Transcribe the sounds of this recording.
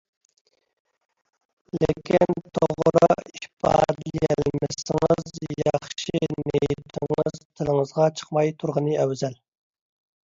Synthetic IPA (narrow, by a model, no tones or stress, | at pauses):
lekʲint̪ʰoʁɾʊiiʃpʰɑ̰ːd̪jɛlmɪsɪŋɨzjɑχʃinejt̪ʰɪŋɨzt̪ʰɪlɪŋəzʁɑt͡ʃʰə̥qmɑjt̪ʰuɾʁənɨæwzæl